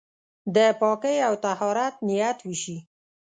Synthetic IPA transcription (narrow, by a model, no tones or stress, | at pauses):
d̪əpɔkəjawt̪ahɑɾat̪̚nɪjat̪wiʃi